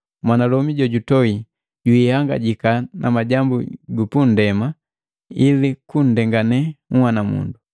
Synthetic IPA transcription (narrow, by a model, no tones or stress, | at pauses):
mwanalɔmiɟɔɟutɔi | ɟuihaŋɡa̰ɟikanamaɟambṵɡupun̩dɛma | ilikun̩dɛŋɡanɛŋ̩hwanamṵndu